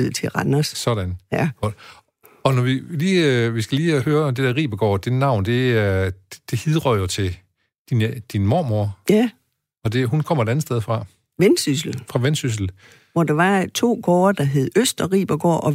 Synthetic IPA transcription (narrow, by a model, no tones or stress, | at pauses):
ð̩ˠt͡sʰe̝ʁɑnɐssɒ̽ɾ̥ænjæɡ̥ɒd̥ | ɒ̽nɒʋiliːʋisɡ̥æliːæhøːɐɒ̽md̥e̝d̥eɐʁḭːb̥ɐɡ̥ɒ̰ːd̥ennɑ̈ʊ̰nd̥e̝̥ | d̥e̝hiðˠʁœð̰ˠjot͡sʰe̝ | d̥inəd̥inmoːmo̝ɐjæ | ɒ̽d̥e̝ɦunkʰɒ̽m̰ɐe̥ænð̩ˠsd̥eð̞ˠfʁɑ̈ | ʋensys̬l̩fʁɑ̈ʋensys̬l̩ | ʋɒd̥ɑ̈ʋɑ̈t͡sʰo̝̰ːɡ̥ɒːɐd̥ɑ̈ɦe̝ð̞̩ˠøsd̥ɒʁḭːb̥ɐɡ̥ɒ̰ːʔɒ̽